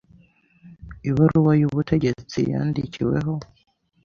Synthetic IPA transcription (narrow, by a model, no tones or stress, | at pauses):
iβaɾuwajuβutʰe̞ɟe̞t͡sḭja̰ːndicʰiwe̞̰ɦo̞